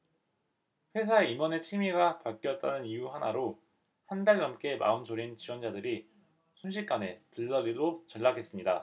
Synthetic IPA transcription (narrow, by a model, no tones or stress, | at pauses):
ɸwe̞s̬ʰaeimwʌne̞t͡ɕʰimiɡapaɭk͈jʌt̚t͈anɯnijuɦanaɾo | handaɭnʌmk͈e̞ma̰ɯnd͡ʑʰoɾint͡ɕiwʌnd͡ʑadɯɾi | sʰunɕ̬ʰik͈̚ane̞tɯɭːʌɾidot͡ɕʌɭːaɡe̞s͈ɯmɲida